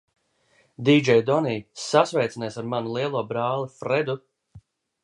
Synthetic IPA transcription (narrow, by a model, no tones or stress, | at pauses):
d̪iːd͡ʒɛjd̪ɔniːsasvɛjt̪sinɛsaɾmanulˠiɛlˠuɔbɾaːlˠifɾɛd̪u